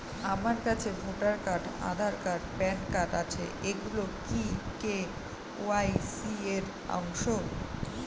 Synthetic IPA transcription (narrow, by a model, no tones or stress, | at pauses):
amaɾkat͡ɕʰebʱoʈaɾkaʈa̰d̪ʱaɾkaʈpɛnkaʈat͡ɕʰḛeɡulokike | oajsieɾ | ɔ̰ŋʃo